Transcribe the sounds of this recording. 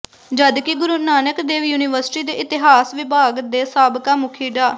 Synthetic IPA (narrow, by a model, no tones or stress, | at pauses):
d͡ʒəd̪kɪɡʊɾuːnaːnəkd̪eːʋjuːniʋəɾsɪ̥ʈiːd̪eːʔɪt̪ɪɦaːsʋɪbʱaːɡd̪eːsaːbkaːmʊkʰiːɖaː